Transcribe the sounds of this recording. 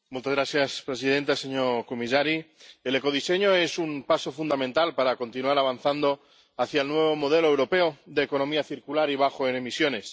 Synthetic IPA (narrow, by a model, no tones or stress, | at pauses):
mult̪azɣɾaθjaspɾe̞sið̞ent̪ase̞ɲoɾkomisaɾiele̞ko̞ð̞ise̞ɲoe̞sumpasofund̪amẽnt̪alpaɾako̞nt̪inuaɾaβ̞an̟θand̪o̞ | aθjaelnwe̞β̞o̞moð̞e̞loewɾo̞pe̞oðeko̞nõ̞miaθiɾkulaɾiβ̞axoene̞misjo̞ne̞s